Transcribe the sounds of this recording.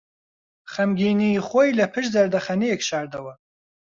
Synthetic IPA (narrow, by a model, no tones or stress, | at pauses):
χɐmɡʲiːniχʷojlɐpʰɨʃ̬zɐɾd̪ɐχɐnijɛkʃaːɾd̪ɐwɐ